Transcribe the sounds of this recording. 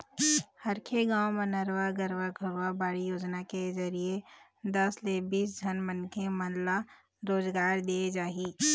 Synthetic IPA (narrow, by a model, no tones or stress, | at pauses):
hɐɾkʰeɡãːwmə̃nəɾwaɡəɾʋaɡʱəɾʋabaːɽijoːd͡ʒnakezɐɾie | d̪ɐslebiːs̬d͡ʒʱənmənkʰemənla | ɾoːzɡaːɾd̪ied͡ʒaːɦiː